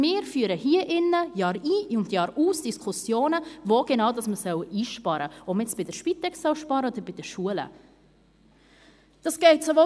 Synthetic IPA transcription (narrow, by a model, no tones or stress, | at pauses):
mɪːɾfyːəɾəhiːəʔɪnːəjɑːɾiːʊndjɑːɾuːsd̥iskʰʊsjoːnəvoːɡ̥enɑʊdɑsməsœwʔiːʃpɑɾəɔpəjɛt͡sb̥ɪdɛʃpit̪ɛksœwʃpɑːɾəɔd̪əɾbɪd̥ɛʃuələ̰ | d̥ɑsɡ̥ɛɪtsovo